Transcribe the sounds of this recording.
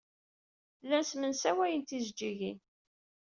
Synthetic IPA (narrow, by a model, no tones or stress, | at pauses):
lːænsmənsæwæjənt̪izd͡ʒːiʝin